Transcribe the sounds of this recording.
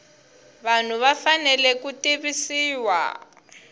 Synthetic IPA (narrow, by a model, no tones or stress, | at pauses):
βan̤uβafanɛlɛkutiβisiːwa̰